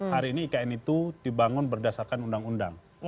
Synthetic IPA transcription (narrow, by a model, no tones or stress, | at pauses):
haɾiːniːkaɛnit̪udibaŋʊnbərdasarkanundaŋunda̰ŋ